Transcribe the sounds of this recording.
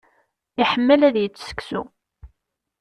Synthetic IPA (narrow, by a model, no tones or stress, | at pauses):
ɪħəmːəlæðjət͡sːsə̥ksṵ